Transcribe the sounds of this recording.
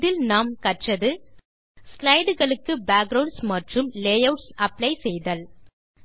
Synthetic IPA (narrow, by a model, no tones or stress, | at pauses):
ðɪlnaːmkɐʈrɐðɯ | slɐɪɖɯɣɐɭɯkːɯbaːk̚ɡɾɐʊɳɖsmɐʈrɯmleːjɐʊʈsɐplɐɪsɛjðɐl